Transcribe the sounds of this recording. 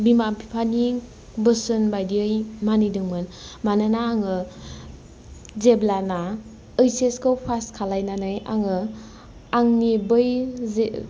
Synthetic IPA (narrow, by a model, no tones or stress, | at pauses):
bimapʰipʰani | bɯsɯnbajdiɯjmanɯjdɯŋmɯnmanɯnaːŋɯ | zeblana | ɯjseskʰowpʰaskʰalajnanɯja̰ŋɯ | aŋnibɯjz